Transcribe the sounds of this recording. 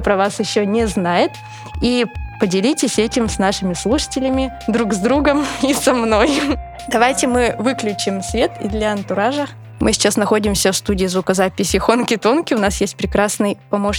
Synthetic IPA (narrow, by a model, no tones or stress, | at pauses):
pɾɐvasjɪɕːonʲɪznajɪt̪ | ipədʲɪlʲitʲɪsʲɛtʲɪmsnaʂɨmʲɪslˠuʂə̥tʲɪlʲɪmʲɪ | d̪ɾuɡzd̪ɾuɡəmisɐmno̞j | d̪ɐvajtʲɪmɨvɨklʲʉt͡ɕɪmsvʲe̞t̪ɪ̰d̪lʲɐɐnt̪ʊɾaʐə | mʔɨsʲɪ̥t͡ɕasnɐxo̞dʲɪmsʲəfst̪udʲɪːzvʊkəzapʲɪsʲɪxo̞nkʲɪt̪o̞nkʲɪʊnasjesʲt̚ʲpɾʲɪkɾasnɨjpɐmo̞ʂ